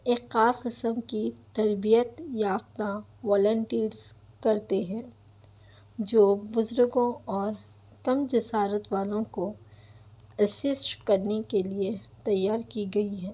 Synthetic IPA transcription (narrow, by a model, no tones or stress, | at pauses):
ekxaːsqɪsəmkit̪ɐɾbijət̪jaːft̪a | ʋɔːlə̃ɳʈiːɾz̥ | kɐɾt̪eɦɛ̃ː | d͡ʒoːbʊzɾʊɡõɔːɾ | kɐmd͡ʒɪsaːɾət̪ʋaːlõko | ɐsɪsʈkɐɾnekeliet̪ɐjːaːɾkiɡɐiɦɛː